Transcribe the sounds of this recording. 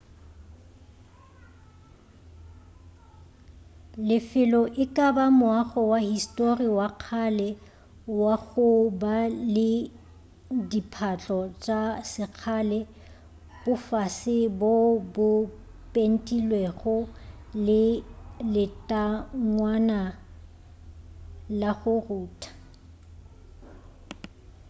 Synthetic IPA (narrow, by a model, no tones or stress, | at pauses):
lɪfɪlɔʔɪkʼabamʊaχɔwahistʼoriwaq͡χʰalɛ | waɣʊbalɪ | dipʰat͡ɬʼɔt͡ʃʼasɪq͡χʰalɛ | b̥ʊfasɪbobʊ | pʼen̩tʼilweχʊ | lɪlɪtʼaŋwana | laɣʊruːtʰḁ